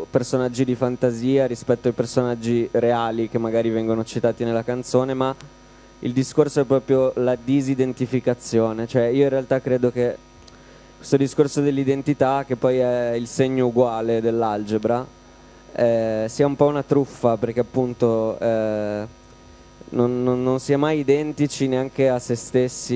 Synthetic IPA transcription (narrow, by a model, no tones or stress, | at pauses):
personad͡ʒːid̪ifant̪aziːaɾispɛt̪ːoajpersonad͡ʒːiɾeaːlikemːaɡaːɾivɛŋɡonot͡ʃit̪aːt̪inelːakant̪soːnema | ḭld̪iskorsoɛpːɾɔːpɾjolad̪izid̪ent̪ifikat̪sːjoːnet͡ʃoɛiːoinrealt̪akːɾeːd̪oke | kwest̪od̪iskorsod̪elːid̪ent̪it̪ak̟epːɔjɛilseɲːouɡwaːled̪elːald͡ʒebɾa | ɛsiːaumpɔunat̪ɾufːaperk̟eapːunt̪oɛ | nonːonːonsiːamajid̪ɛnt̪it͡ʃineaŋk̟easːest̪esːi